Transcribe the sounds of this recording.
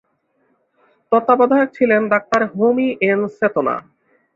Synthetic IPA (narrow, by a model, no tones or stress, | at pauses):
t̪ɔt̪ːabɔd̪ʱaok̚t͡ɕʰilenɖak̚t̪aɾɦomiʔenset̪ona̰